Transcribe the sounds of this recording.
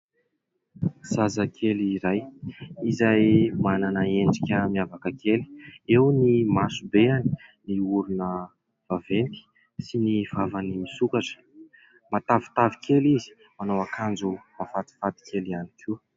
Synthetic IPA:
z̥azakʰeliɾajizajmananəeɳɖ͡ʐikʲəmiavakəkʰeli̥ewnimasubeani̥niuɾunə | v̥aveniki̥ | siniv̥avanimisukaʈ͡ʂə̥ | mat̪avi̥t̪avikʰʲelizi̥ | manawakʰand͡zumafat̪i̥fat̪i̥kʰʲelianikʰi

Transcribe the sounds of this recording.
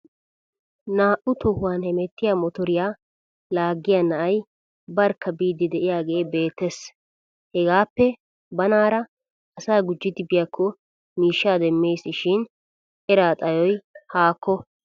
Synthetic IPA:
naːʔʊt̪ʰɔhʊwaːnhɛmɛt̪ːɪjaːmɔt̪ɔɾɪjaː | laːɡːɪjanɐʔɐj | bɐɾkːɐbiːd̪ɪd̪ɛʔɪjaːɡe̞ːbe̞ːt̪ːɛs | hɛɡaːpːɛ | bɐnaːɾɐ | ɐsaːɡʊd͡ʒːɪd̪ɪbɪjakʰːɔ | miːʃːaːd̪ɛmːe̞ːsːɪʃɪn | ɛɾaːt̪ʼɐjɔjhaːkːɔ

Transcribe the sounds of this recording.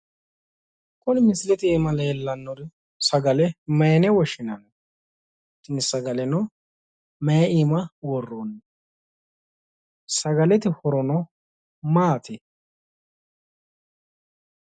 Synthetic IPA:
kʼɔnɪmɪslɛt̪ɪɛmɐlɛjɛlːɐnːɔɾ | sɐɡɐlɛmɐjnɛwɔʃɪnɐn | t̪ːɪnɪsɐɡɐlɛnɔ | mɐjimɐwɔrːoːnːɐ | sɐɡɐlɛt̪ɪhɔɾɔnɔ | maːt̪ʰɛ

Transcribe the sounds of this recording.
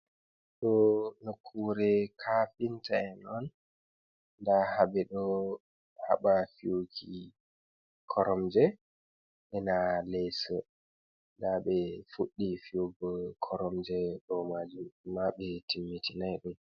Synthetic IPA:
ɗɔnokʰːuɾɛkʰafintʰaɛnɔnː | dahaɓɛɗɔ | ha̰ɓafiukʰi | kʰɔɾɔmd͡ʒɛ | ʔɛnalɛsɔ | ndaɓɛfuɗːifiuɡɔkʰɔɾɔmd͡ʒɛɗɔmad͡ʒumːaɓɛtʰimːitʰinajɗum

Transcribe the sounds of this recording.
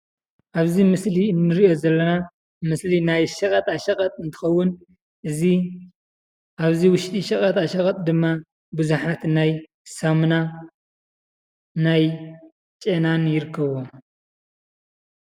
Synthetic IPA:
ʔaβzimɨsliɨnːɨɾiʔo̞zɐlːɐna | mɨslinajʃɐkʼɐt̪ʼaʃɐkʼɐt̪ʼɨnt̪ʰɨ̥xɐwːʊn | ʔɨzi | ʔaβziwʊʃt̪ʼiʃɐkʼɐt̪ʼaʃɐkʼɐt̪ʼd̪ɨmːa | bɨzuħat̪naj | sɐmna | naj | t͡ʃʼenanjɪɾɨkʰːɐβom

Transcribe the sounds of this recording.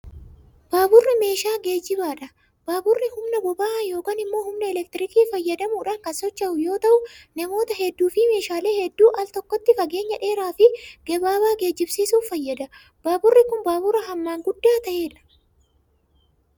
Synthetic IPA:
b̥aːbʊrːɪme̞ːʃaːɡe̞ːd͡ʒɪbaːᶑɐ | b̥aːbʊrːɪhʊmnɐbɔbaːjo̞ːkaːnɪmːo̞ːhʊmnɐɛlɛk̚t̪ɪɾɪkiːfɐjːɐd̪ɐmuːᶑaːŋkɐnsɔt͡ʃːɐʔʊjo̞ːt̪ɐʔʊnɐmo̞ːt̪ɐhɛd̪ːuːfɪme̞ːʃaːle̞ːhɛd̪ːuːʔɐlt̪ɔkːɔt̪ːɪfɐɡe̞ːɲːɐᶑe̞ːɾaːfɪɡ̥ɛbaːbaːɡe̞ːd͡ʒːɪbsiːsuːffɐjːɐd̪ɐ | b̥aːbʊrːɪkʊnbaːbʊɾɐɦɐmːaːŋɡʊd̪ːaːt̪ɐʔe̞ːᶑɐ̥

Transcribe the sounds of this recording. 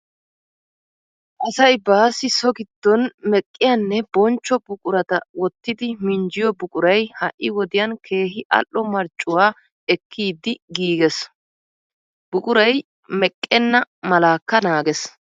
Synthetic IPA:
ʔɐsɐjbaːsɪsɔɡɪd̪̥ːɔnmɛkʼːɪjɐnːɛbɔnt͡ʃːɔbʊkʼʊɾɐt̪ɐwɔt̪ːɪd̪ɪmɪɲd͡ʒɪjɔbʊkʼʊɾɐjhɐʔʔːɪwɔd̪ɪjɐnkʰe̞ːɦɪʔɐ̰ʔːɔmɐɾt͡ʃʼʊwaː | ɛkʰːiːd̪ːɪɡiːɡɛs | b̥ʊkʼʊɾɐj | mɛkʼːɛnːɐmɐlaːkːɐnaːɡɛs

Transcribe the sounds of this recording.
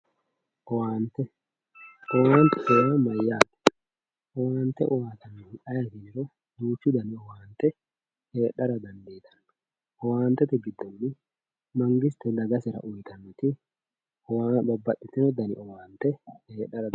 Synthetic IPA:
ʔɔwaːnt̪ɛ | ʔɔwaːnt̪ɛseɐmɐjːaːd̪ɛ̥ | ʔɔwaːnt̪ɛ̰ʔɔwaːt̪ɐnːɐjɐt̪ɪnɪɾɔ | d̪uːt͡ʃːɪd̪ɐnɪɔwaːnt̪ɛ | heːᶑɐɾɐd̪ɐnd̪eːt̪ʰɐ̥nː | ʔɔwaːnt̪ɛt̪ɛɡɪd̪ːɔmnɪ | mɐŋɡɪst̪ɛd̪ɐɡɐsɪɾɐ̰ʔʊjt̪ɐnːʊt̪ɪ | ɔwabɐbːɐʔːɪt̪ːɛnɔd̪ɐnɪ̰ʔɔwaːnt̪ɛheːᶑɐɾɐ

